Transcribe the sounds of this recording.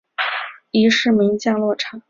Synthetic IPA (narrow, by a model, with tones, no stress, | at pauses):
i˧˥ʂɻ̩˥˩mi˧˥ŋt͡ɕjɑ˥˧ŋlwɔ˥˩ʈ͡ʂʰɑ˨˩˥